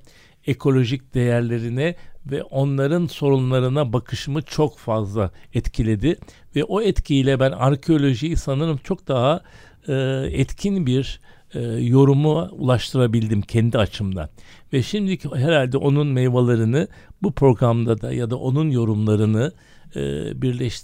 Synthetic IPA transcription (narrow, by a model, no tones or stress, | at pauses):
ekʰo̞lʲo̞ʒic̚d̪̥e̞jæɾlʲe̞ɾinɛvɛʔo̞nlˠaɾɯnso̞ɾunlˠaɾɯnabakʰɯʃɯmɯt͡ʃʰo̞kfazlˠaɛt̪cʰilʲe̞d̪ɪ | vɛʔo̞ɛt̪cʰiilʲɛbænaɾcʰeo̞lʲo̞ʒijisanɯɾɯmt͡ʃʰo̞k̚d̪aɦaː | ɛt̪cʰinbiɾ | jo̞ɾumuṵlˠaʃt̪ʰɯɾabilʲd̪imcʰɛnd̪iat͡ʃʰɯmd̪a̰ | vɛʃimd̪iɦeɾalʲd̪ɛʔo̞nunmɛjvalˠaɾɯnɯ | bupʰɾo̞ɡɾamd̪ad̪a̰jad̪aʔo̞nunjo̞ɾumlˠaɾɯnɯ̰ | biɾlʲɛʃt̪